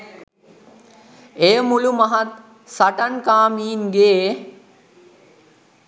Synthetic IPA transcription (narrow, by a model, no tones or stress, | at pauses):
ejəmulumaɦat̪ | saʈankaːmiːnɡeː